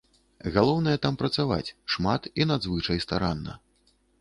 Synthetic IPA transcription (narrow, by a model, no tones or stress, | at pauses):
ɣalˠɔwnɐjɛt̪ampɾɐt̪sava̰t͡sʲʂmat̪inad̪zvɨt͡ʂɐjst̪aɾanːɐ̰